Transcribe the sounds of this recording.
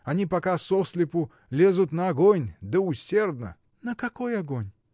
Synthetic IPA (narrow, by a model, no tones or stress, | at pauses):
ɐnʲipɐkasɔsʲlʲɪpʊ | lʲezʊt̪nɐɐɡonʲd̪əʊsʲerd̪nə̰ | nəkɐkojɐɡonʲ